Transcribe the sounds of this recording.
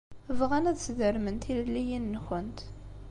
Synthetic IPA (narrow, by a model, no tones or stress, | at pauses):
vʁænæðsðəɾmənt̪illːijinːəxənt̪